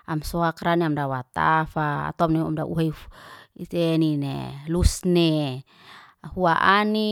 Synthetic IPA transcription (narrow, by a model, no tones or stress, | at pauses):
amsoakɾaniamdawat̪afa̰ːt̪oamneamdaʔṵɦajit̪eninḛlusne | huaʔani